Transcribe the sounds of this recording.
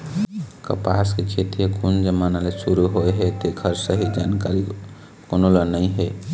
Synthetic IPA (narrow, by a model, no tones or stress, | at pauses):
kə̰pa̰sket͡ʃʰet̪iekʰund͡ʒəmanalesuɾuɦoeɦɛt̪ekʰəɾsəɦid͡ʒankaɾi | konolənəĩɦɛ